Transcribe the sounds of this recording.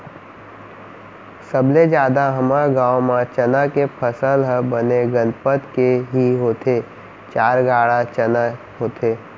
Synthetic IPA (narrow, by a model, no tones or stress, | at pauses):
səbled͡ʒjaːd̪aɦəmaɡaːwmãt͡ʃənakepʰəsəlɦəbəneɡənpət̪keɦiɦoːt̪ʰeː | t͡ʃaːɾɡʱaːɽat͡ʃəna | ɦoːt̪ʰeː